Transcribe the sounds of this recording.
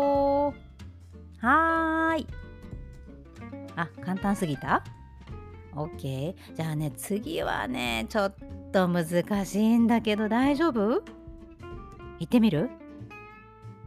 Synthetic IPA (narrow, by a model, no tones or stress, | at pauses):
o | hai | akãnt̪ãɰ̃sɨɡʲit̪a | oːkːe̞ | d͡ʑaːne̞t͡sɨɡʲiβa̰ne̞t͡ɕo̞t̪ːo̞mɯ̟zɨkaɕiːnd̪ake̞d̪o̞d̪aiʑo̞ːbɯ̟ | it̪ːe̞mʲiɾɯ̟